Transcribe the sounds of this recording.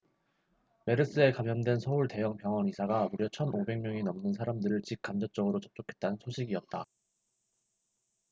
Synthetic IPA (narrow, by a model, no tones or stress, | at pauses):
me̞ɾɯs͈ɯe̞kamjʌndwe̞nsʰʌuɭte̞jʌŋpjʌŋwʌnisʰaɡamuɾjʌt͡ɕʰʌnobe̞ŋmjʌŋinʌmnɯnsʰaɾamdɯɾɯɭt͡ɕik̚k͈amd͡ʑʌt͡ɕ͈ʌɡɯɾot͡ɕʌp̚t͡ɕ͈okʰe̞t̚t͈anɯnsʰoɕʰiɡiʌt̚t͈a